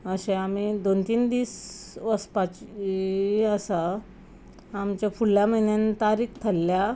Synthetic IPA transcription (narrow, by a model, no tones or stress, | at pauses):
əɕẽam̤id̪ont̪iːnd̪iːsʋəspat͡ɕiəsa | mt͡ɕjafuɽljaməinjant̪aɾiːkt̪ʰəlːja